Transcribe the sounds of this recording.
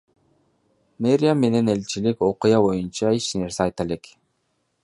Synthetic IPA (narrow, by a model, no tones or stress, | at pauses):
meɾʲɪamːe̞ne̞ne̞lt͡ʃiliko̞qujɑbo̞junt͡ʃɑit͡ʃne̞ɾseɑjt̪ele̞k